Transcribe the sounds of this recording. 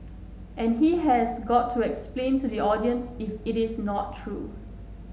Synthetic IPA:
ʔɛ̃nɦiɦɛsɡɔtʰːuɛksplẽntʰudiɔdiə̃nsɪfɪɾɪsnɔtʰːɹu

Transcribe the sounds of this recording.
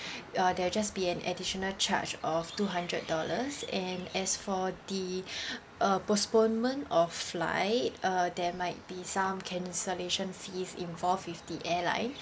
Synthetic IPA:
adɛwd͡ʒasbiɛ̃nɛ̰diʃɔnəlt͡ʃʰa̰t͡ʃɔftuɦãndɹət̚dɔləsɛ̃nɛsfɔdi | ʔəpɔspõnmə̃ntɔfːla̰ɪt̚adɛmaɪt̚b̥isãmkʰɛ̃nsəleʃə̃nfisĩnvɔlfwifdiʔɛlã̰ɪ̃n

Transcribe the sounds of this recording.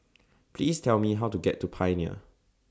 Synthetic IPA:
pʰlistʰɛlmiɦawtuɡɛtːupʰaɪniə̰

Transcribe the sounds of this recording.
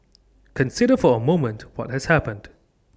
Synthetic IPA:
kʰə̃nsɪɾəfɔəmõʊmə̃ntwɔt̚hɛz̥hæpə̃nd̥

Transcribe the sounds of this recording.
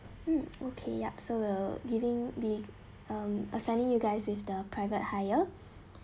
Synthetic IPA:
m̩ʔokʰḛja̰p̚sowilɡivɪ̃ŋbi | ʌ̃məsãɪ̃nĩŋjuɡaɪswɪfdəpʰɹaɪvət̚hajə

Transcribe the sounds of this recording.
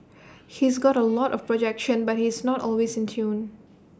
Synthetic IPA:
hisɡɔɾəlɔtɔfpɹɔd͡ʒɛkʃə̃nbat̚hisnɔtɔlwesɪ̃ntʰjũn

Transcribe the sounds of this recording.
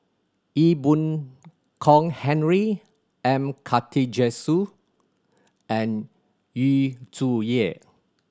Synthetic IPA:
ibũn | kʰɔ̃ŋhɛ̃nɹi | ɛ̃mkʰatʰid͡ʒɛsu | ɛ̃n | jutuji

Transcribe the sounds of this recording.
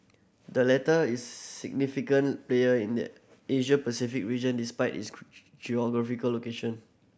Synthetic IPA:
dəlɛtəisːḭɡ̚nifikə̃npleəĩndə̰ | eʃəpəsifik̚ɹid͡ʒə̃ndispaɪtḭs | d͡ʒiɔɡɹafikəlːokeʃɔ̃n

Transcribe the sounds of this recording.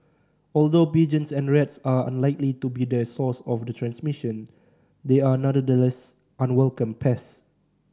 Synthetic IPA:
ɔldopid͡ʒə̃nsɛ̃nɹɛtsaə̰̃nlaɪklitubidəsɔsɔfdətʰɹɛ̃nsmiʃə̃n | deanadədəlɛs | ʔãnwɛlkə̃mpʰɛs

